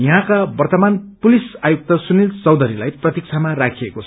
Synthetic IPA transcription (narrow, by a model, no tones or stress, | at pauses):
jʌɦãkabʌrt̪ʌmanpulisajuk̚t̪ʌsunilt͡sʌwd̪ʌɾilajprʌt̪ik̚t͡sʰamarakʰijekot͡sʰʌ